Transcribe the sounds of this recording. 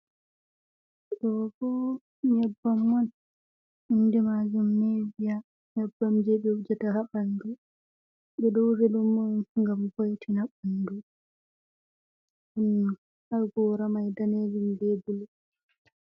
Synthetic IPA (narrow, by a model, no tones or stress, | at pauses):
ɗɔɡɔ | ɲɛbːamwan | indɛmad͡ʒumnevija | ɲɛbːamd͡ʒɛɓɛud͡ʒataɦaɓandu | ɓɛɗɔwɾeɗumːɔŋɡambojtʰinaɓandu | ɗun | aɡɔɾamajdaned͡ʒimbebulɛ